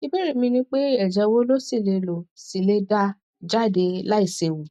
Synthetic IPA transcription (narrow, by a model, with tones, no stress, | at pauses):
i˧be˦ɾi˦˨mĩ˧nĩ˧˦k͡pe˦ɛ˨d͡ʒɛ˨˧wo˦lo˦si˦˨le˧lo˨si˨le˧da˧ | d͡ʒa˦˨de˧la˦i˦˨se˨wu˨